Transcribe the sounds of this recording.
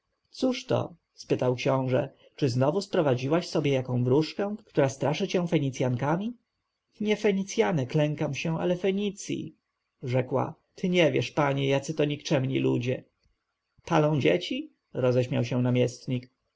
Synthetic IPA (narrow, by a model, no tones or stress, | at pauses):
t̪suʂt̪ɔ̰ | spɘt̪awkɕɔ̃w̃ʐɛ̰ | t͡ʂɘznɔvuspɾɔvad͡ʑiwaɕsɔbʲjɛjakɔ̃w̃vɾuʂkɛ̃kt̪uɾast̪ɾaʂɘt͡ɕɛ̃w̃fɛɲit̪sʲjaŋkamʲi | ɲɛfɛɲit̪sʲjanɛklɛŋkamɕɛ̃a̰lɛfɛɲit̪sʲjḭ | ʐɛkwa̰t̪ʰɘɲɛvʲjɛʂpaɲɛjat̪sɘt̪ɔɲikt͡ʂɛmɲḭlṵd͡ʑɛ | palɔ̃w̃d͡ʑet͡ɕi | ɾɔzɛɕmʲawɕɛnamʲjɛst̪ɲik